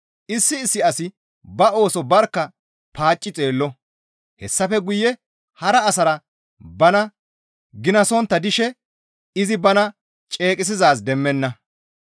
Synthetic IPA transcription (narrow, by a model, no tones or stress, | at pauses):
ʔɪsːɪːsːɪɐsɪ | bɐo̞ːsɔbɐɾkːɐ | pʰaːt͡ʃʼːɪt͡sʼe̞ːlːɔ | hɛsːɐfɛɡʊjːɛ | hɐɾɐːsɐɾɐ | bɐnɐ | ɡɪnɐsɔnt̪ːɐd̪ɪʃɛ | ɪzɪbɐnɐ | t͡ʃʼe̞ːkʼɪs̬ɪzaːs̬d̪ɛmːɛnːɐ